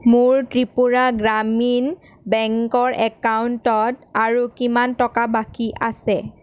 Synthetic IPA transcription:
mʊɹtɹipuɹaɡɹamin | bɛŋkɔɹʔɛkauntɔtaɹukimantɔkabakiʔasɛ

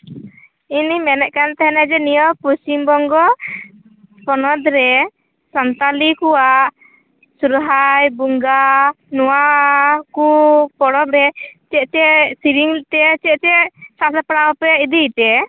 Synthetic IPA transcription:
inimɛnɛʔ̪̚kant̪ɛɦɛnɛd͡ʒɛnijɔpusimbɔŋɡɔ | pɔnɔd̪ɾɛ | sant̪alikuwaʔ | suɾɦajbuŋɡa | nuwakupɔɽɔpɾɛt͡ʃɛʔ̚t͡ʃɛsiɾiŋt̪ɛt͡ʃɛt͡ʃɛsasapaɽawpɛid̪it̪ɛ

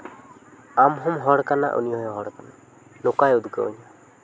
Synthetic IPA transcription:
amɦumɦɔɽkana̰ʔṵnijɔjɔɦɔɽkana | nʊkajud̪ɡə̰ṵɲa

